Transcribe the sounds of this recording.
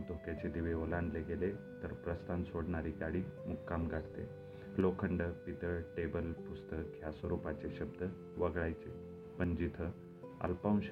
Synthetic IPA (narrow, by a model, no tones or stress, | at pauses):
t̪okjat͡ɕed̪iʋeolãnleɡele | t̪əɾpɾəst̪ʰansoɽɳaɾiːt̪aɽimukːamɡʱaʈt̪ḛ | lokʰəɳɖəpit̪əɭʈebəlpust̪əkʰːjasʋəɾupat͡ɕeɕəbd̪ʱə | ʋəɡɭajt͡se | pənd͡ʑit̪ʰə | ə̰lpãw̃ɕ